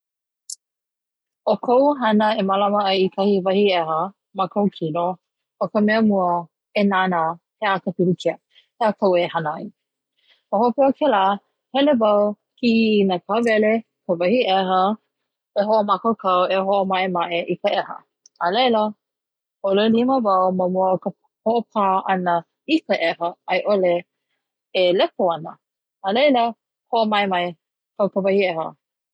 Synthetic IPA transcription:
okʰowɦɐnəemalaməajikʰɐhivɐhiɛɦə | makʰowkʰino | okəmɛəmuə | enana | heakəpilukʰiə | heakʰowehanaj | ohopeokʰɛla | hɛlevaw | kiːnəkʰavɛle | kəvɐhiʔɛɦə | eɦoʔomakokʰaweɦoʔomaʔemaʔeʔikəʔehə̰ | əlejlə | ʔoleliməvɐwməmuəkə | hoʔopʰaʔɐnə | ikəʔɛhəajʔoleː | lɛkoɐnə | əlejlə | hoʔomaemaj | kəwpəvɐhiehə̰

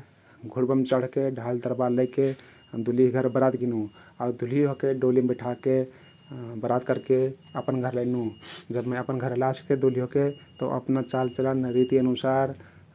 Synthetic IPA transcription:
ɡʱuɽbəmt͡ʃəɽ̤keɖʱald̪əɾbaɾləjke | d̪ʱuliɦɡʱəɾbəɾad̪ɡinu | ad̪ʱuliokeɖolibeʈʰake | bəɾad̪̚kəɾkeəpənɡʱəɾləɪnud͡ʒəbməəpənɡʱəɾlasʰked̪ulioket̪ɔʔə̰pnat͡ʃalt͡ʃələnɾit̪iənusaɾ

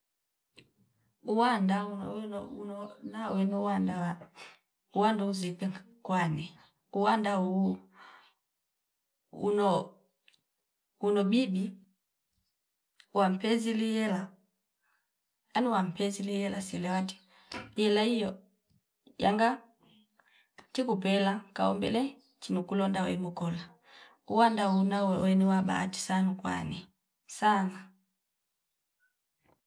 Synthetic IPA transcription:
uwandaunwnɔunɔnawɛnɔuwandawa | uwandauzipɛ | kwani | uwandau | ṵnɔ | unɔbibi | wam̩pɛzilijɛla | anuwam̩pɛzilijɛlasilɛwati̥ | ɛlaijɔ | ja̰ŋɡa | tikupɛlakaɔ̰mbɛ̰lɛ | t͡ʃinukulɔndawɛ̰mukɔla | uwandaunawwɛniwaba̰ti̥sanukwa̰ni | sana

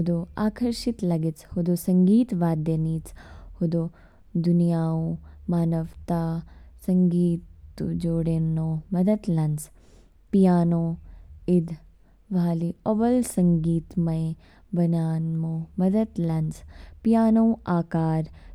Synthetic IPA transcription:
ɦʊd̪oːaːkʰəɾʃɪt̪lɐɡɪt͡shʊd̪osɐ̃ŋɡiːt̪ʋaːd̪jɐniːt͡shʊd̪oː | d̪unijaːõmaːnɐʋt̪aːsɐŋɡiːt̪ud͡ʒoːɽenoːmɐd̪ɐt̪lɐns | pijaːnoːɪd̪ʱ | ʋaːlioʋɐlsɐ̃ŋɡiːt̪mɐe | bɐnaːnmoːmɐd̪ɐt̪lɐnspijaːnõaːkaːɾ

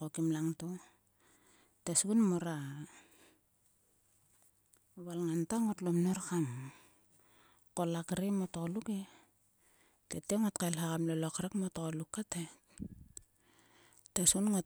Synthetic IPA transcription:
okimlaŋto | tesɡunmoɾa | βalŋantaŋotlomnoɾkam | kolakɾemotokoluke | teteŋotkajlɦakamlolokɾekmotokolukːate | tesunŋo

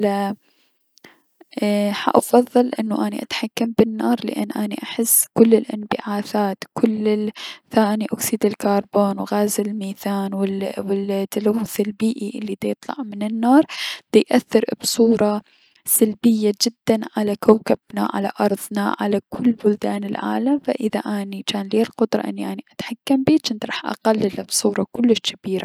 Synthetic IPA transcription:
la | ħa̰ʔɑfɑðˤːɑlʔɪnːuʔaniʔat̪ħakːambɪnːɑːɾˤlɪ̰ʔa̰nːʔaːnḭʔaħɪsːkʊlːɪlʔanbɪ̰ʕaːθaːt̪kʰʊlːɪθaːniʔʊksiːd̪ɪlkɑːɾˤboːnwɣaːzɪlmiːθaːnwɪwɪt̪ːalawːʊθɪlbiːʔiʔɪlːid̪ajt̪ˤlɑ̰ʕmɪnɪnːɑːɾˤd̪̥ajʔaθːɪɾbsˤuːɾˤɑ | salbɪjːad͡ʒɪd̪ːanʕalakawkab̥na̰ʕa̰la̰ʔɑɾˤðˤnaʕa̰lakʰʊlːbʊld̪aːnɪlʕa̰ːlamfa̰ʔɪðaʔaːnit͡ʃaːnleːlqʊd̪ɾˤɑ̰ʔɪ̰nːiʔaniʔat̪ħakːambiːt͡ʃɪnt̪ɾˤɑːħʔɑ̰qalːɪlːabsˤuːɾˤɑkʊlːɪʃkabiːɾa

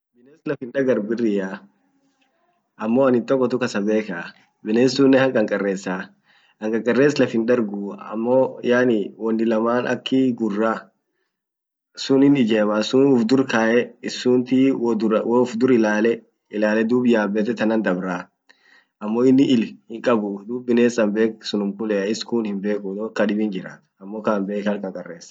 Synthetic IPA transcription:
bɪneːslɐfɪnᶑɐɡɐɾbɪrːɪjaː | ʔɐmːo̞ːɐnɪnt̪ʼɔkʼːɔt̪ʊkɐsɐbeːkɐ | bɪneːsuːnːɛhɐŋkʼɐŋkʼɐrːeːsːaː | hɐŋkʼɐŋkʼɐrːeːslɐfɪnᶑɐɾɡuːɐ̰mːoːjaːnɪwɔnːɪlɐmaːnɐ̰kːiɡʊrːaː | sʊnɪnɪd͡ʒeːmaːsʊnʊfd̪ʊɾkaːʔɛɪsːuːnt̪iːd̪ʊɾwʊfd̪ʊɾɪlaːlɛ | ɪlaːlɛd̪uːbɪjaːbːɛt̪ɛt̪ɐnɐnd̪ɐbɾaː | ʔɐmːoːɪnːɪʔɪlhɪŋkʼɐbʊd̪uːbːɪneːsɐmbe̞ːksʊnʊmkʊlɛɐɪskuːnhɪmbe̞ːkʊnoːkːɐᶑɪbɪnd͡ʒɪɾa̰ːt̪ɐmːoːkaːnbe̞ːkɐlkʼɐŋkʼɐrːeːs

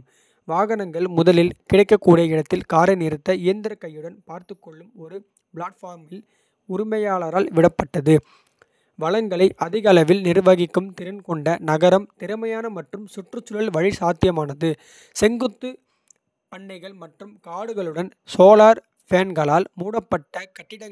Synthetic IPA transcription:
ʋaːɣɐnɐŋɡɐɭmʊðɐlɪlkɪɽɐɪkːɐkːuːɽɐɪɽɐt̪ːɪlkaːɾɐnɪɾɯt̪ːɐɪjɐnd̪ɐɾɐkːɐjːɯɽɐnpaːɾt̪ɯkːɔɭːɯmɔɾɯ | bɭaːʈfaːɾmɪl | ʊɾɪmɐjaːɭɐɾaːlʋɪɽɐpːɐʈːɐðɯ | ʋɐɭɐŋɡɐɭɐɪʔɐðɪɣɐlɐʋɪlnɪɾɯʋɐɣɪkːɯmt̪ɪɾɐnkɔɳɖɐnɐɣɐɾɐmt̪ɪɾɯmɐjaːnɐmɐʈrɯmsʊʈrɯt͡ʃːɯlɐlʋɐɻɪsaːt̪ːɪjɐmaːnɐðɯ | sɛŋɡɯt̪ːɯ | ɐɳːɐɪɣɐɭmɐʈrɯmkaːɽɯɣɐɭɯɽɐnsoːlaːɾ | feːnɡɐɭaːlmuːɽɐpːɐʈːɐkɐʈːɪɽɐ

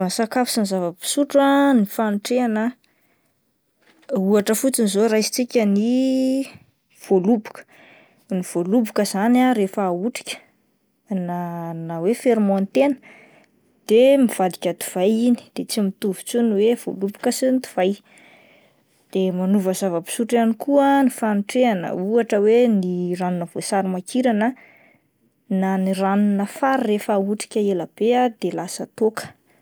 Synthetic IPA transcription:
nsakafi̥sinizavəpi̥suʈ͡ʂanifanʈ͡ʂeana | uaʈ͡ʂəfut͡sinizoɾajsi̥t͡sikʲəni | v̥olubu̥kə̥ | niv̥olubukəzanaɾefaːuʈ͡ʂi̥kʲə̥ | nanawefeɾmont̪enə̥ | d̪̥emiv̥ad̪ikʲət̪u̥v̥ajini̥d̪̥et͡simit̪uvi̥t͡suniwev̥o̰lupi̥kəsint̪u̥v̥aj | d̪̥emanuvəzavəpi̥suʈ͡ʂanikuənifaniʈ͡ʂeanə̰uaʈ͡ʂəweniranunəv̥osaɾimakʰiɾanə | naniranunəfaɾrefauʈ͡ʂi̥kʲəeləb̥ead̪elasət̪okə̥

